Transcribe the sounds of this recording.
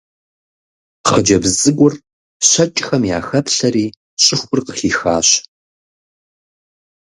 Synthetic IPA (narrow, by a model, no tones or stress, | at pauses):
χəd͡ʒɐbzʼɨɡʷʊr | ɕɐt͡ʃʼxɐmja̰ːxɐpɬɐɾiː | ɕʼɪxʷʊrqəχiːxaːɕ